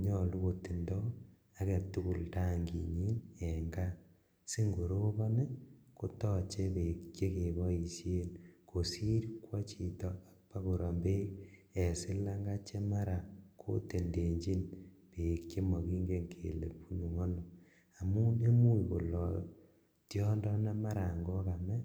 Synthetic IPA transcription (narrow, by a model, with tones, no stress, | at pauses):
ɲɔ˦˨lu˦ko˨ti˨ndɔ˦ | a˨kɛ˨tu˦ku˦˨lta˦ŋɡi˨ɲi˦nɛ˨ŋɡa˦ | si˦ŋɡo˨ɾo˦bɔ˦ne˦ko˦tɔ˦˨t͡ʃɛ˦be˨kt͡ʃe˦ke˨βɔ˦i˨sje˦nko˨si˦ɾkwɔ˦t͡ʃi˨tɔ˨a˨k̚pa˦ku˨ɾɔ˨mbe˦ | ɛ˨si˦la˦ŋɡa˦t͡ʃe˦ma˦ɾa˨kʰo̰˦te˨nde˨ɲd͡ʒi˦n | pe˨kt͡ʃe˦mɔ˨ki˦ŋɡe˦ŋkʰḛ˨lḛ˨pu˦nu˨ŋo˦no˨ | a˨mu˦ne˦mu˦ko̰˨lɔ˨ | tjɔ˦ndɔ˦na˦ma˦ɾa˨ŋɡɔ˦ka˨mɛ˦